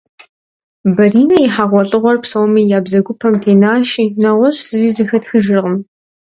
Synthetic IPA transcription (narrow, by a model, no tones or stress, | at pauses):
bɐriːnɐjɪħaʁʷɔɬʼɨʁʷɔrpsowmijaːbzɐɡʷʊpʰɐmtʰeːnaːʃiːnɐʁʷɔɕsɨziːzɨxɐtxɨʒɪrʁəm